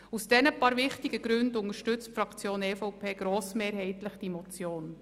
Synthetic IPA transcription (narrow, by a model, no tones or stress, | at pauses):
usd̥ɛnəpɑːɾvɪχtɪɡəɡɾʏndʊŋəɾʃtʏt͡stfɾɑkt͡sjoːnɛːfɔʊpʰeːɡ̥ɾoːsmeːɾhɛɪtləχd̥imɔt͡sjoːn